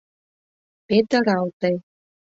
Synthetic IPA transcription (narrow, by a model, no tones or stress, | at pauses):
pet̪ə̆ɾɑlt̪əj